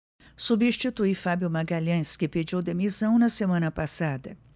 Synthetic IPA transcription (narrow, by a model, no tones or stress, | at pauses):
subĩst͡ʃit̪ujfabjʊmaɡaʎɐ̃skɪped͡ʒiwd̪emisɐ̃w̃nɐsemɐ̃nɐpasad̪ɐ